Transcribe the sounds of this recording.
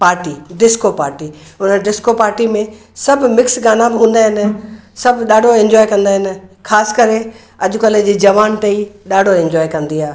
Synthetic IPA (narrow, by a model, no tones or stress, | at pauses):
paːɾʈiɖɪskopaːɾʈiʊnəɖɪskopaːɾʈimẽ | sɐbʱmɪksɡaːnãbɪɦũːn̆d̪aːɦɪnɪ̆sɐbʱɗaːɖʱoẽɲd͡ʑɔːjkɐ̃nd̪aːɦɪnɪ̆kʰaːsɪ̥kɐɾe | ɐʄʊkɐled͡ʑiːd͡ʑɐʋaːnt̪ɐiɗaːɖʱoẽɲd͡ʑɔːekɐ̃nd̪iaː